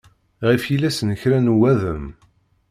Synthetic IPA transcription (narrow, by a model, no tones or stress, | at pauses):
ʁifjilæsnəçɾænwæðəm